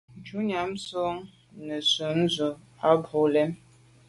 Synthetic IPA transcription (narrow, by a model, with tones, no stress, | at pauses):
d͡ʒu˨˦ɲa˨˦m˦so˦ŋ | nə˨su˨n̩˦zu˨ | a˦bo˨lɛ˦m